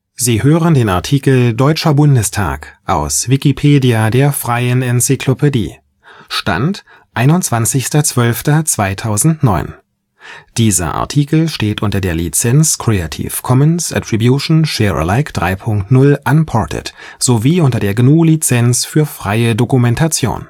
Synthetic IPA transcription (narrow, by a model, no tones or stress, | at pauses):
ziːhøːʁəndeːna̰ɐtʰiːkl̩dɔʏt͡ʃɐbʊndəstʰa̰ːkʔa̰ʊsv̥ikipʰeːdiadeːɐfʁ̥aɪənɛnsɪkʰlopʰedḭː | ʃta̰nt | ʔaɪnʊntt͡sv̥ant͡sɪçstɐt͡sv̥œlftɐt͡sv̥aɪtʰaʊzn̩tnɔʏn | d̥iːzɐ̰ʔa̰ɐtʰiːkl̩ʃteːtʔʊntɐdeːɐlḭt͡sɛnt͡skʁ̥eatʰḭːfkʰɔmənsʔa̰tʁ̥ibjuʃn̩ʃɛːʁə̰laɪkd̥ʁaɪpʰʊŋktnʊlʔanpʰɔɐtʰə̰t | z̥oviːʔʊntɐdeːɐɡnuːlit͡sɛnsfyːɐfʁ̥aɪədokumɛntʰat͡sjo̰ːn